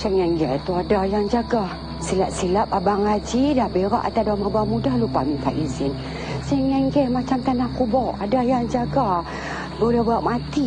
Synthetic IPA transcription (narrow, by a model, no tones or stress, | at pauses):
sɛŋɛŋɡɛt̪uadahjaŋd͡ʒaɡah | silap̚silap̚abaŋad͡ʒidahbeɾaʔat̪adamabamudahlupamipaʔizɪn | sɛŋɛŋɡɛmat͡ʃamt̪anahkubɔʔadahjaŋd͡ʒaɡa | bolɛhbaaʔmat̪i